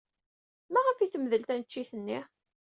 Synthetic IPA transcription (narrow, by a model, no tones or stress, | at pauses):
mæʁəfiθəmðəlt̪ænət͡ʃːiθənːi